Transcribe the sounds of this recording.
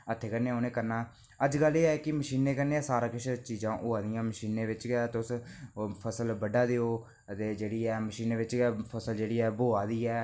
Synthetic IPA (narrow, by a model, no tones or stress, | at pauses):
ət̪ʰːeːkəɾnẽːoːnẽːkəɾnaː | əd͡ʒɡəlːeːɛːkɪməʃiːneːkəɾneːɛ̃ːsaːɾãːkɪʃt͡ʃiːzãːʔʊːaːd̪ɪjãːməʃiːnẽːʋɪt͡ʃkɛt̪ʊspʰəsəlbəɖaːd̪eːoː | ət̪eːd͡ʒeːɽiːɛːməʃiːnẽːʋɪt͡ʃːpʰəsəld͡ʒeːɽiːɛːboːaːd̪iːɛː